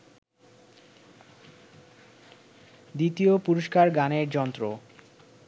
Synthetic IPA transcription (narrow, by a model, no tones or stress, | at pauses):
d̪it̪iopuɾoʃkaɾɡaneɾd͡ʑɔnt̪ɾo